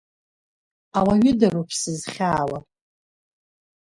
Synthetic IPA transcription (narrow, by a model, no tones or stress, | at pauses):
awaɥʏdaɾupʰsɨzχʲaːwa